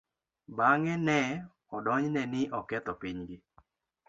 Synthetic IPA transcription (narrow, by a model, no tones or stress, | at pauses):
baŋɛnɛ | ɔdɔɲnɛnɪʔɔkɛt̪ɔpiɲɡɪ